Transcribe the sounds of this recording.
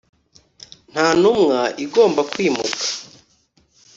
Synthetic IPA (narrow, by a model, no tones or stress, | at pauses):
n̥haːnumŋaʔiɡo̞ːmbakwiːmukḁ